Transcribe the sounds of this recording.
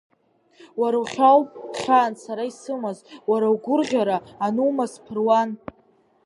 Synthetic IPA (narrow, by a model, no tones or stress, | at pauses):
waɾawχʲawχʲaːnsaɾaisɨmazwaɾawɡʷʊrʁʲaɾaːnuːmaspʰɨrwan